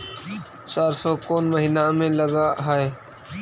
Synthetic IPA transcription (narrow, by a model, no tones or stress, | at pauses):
t͡ʃaːɾsɔkoːnməɦinamẽləɡaɦae